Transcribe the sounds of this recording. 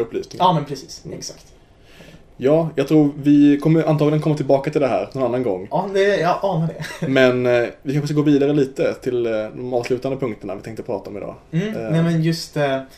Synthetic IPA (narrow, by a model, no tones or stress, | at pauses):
ɵpʰːlyːsnɪːmɛnpʰɾɛsiːsɛksakt̪ | jɑːjɑɡt̪ʰɾuːɾvɪkʰɔmːəɾʔant̪ɑːɡlɪənkʰɔmːat̪ɪlbɑːkat̪ʰɪld̪ɛɦæ̰ːɾnɔnanːanɡɔŋːɑd̪ɛjɑʔɑːnaɖɛmmɛnvɪkʰanɧəsk̬ɡoːviːd̪aɾəliːt̪ət̪ʰɪld̪ɔmɑːvslʉ̟ːt̪and̪əpʰɵŋkt̪əɳa̰vɪt̪ʰɛŋkt̪əpʰɾɑ̰ːt̪aɔmɪd̪ɑ̰ːnɛmɛnjɵst̪